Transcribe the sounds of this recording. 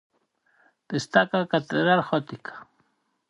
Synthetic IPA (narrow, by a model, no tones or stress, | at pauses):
t̪ist̪akakat̪eɾaɾxɔt̪ikḁ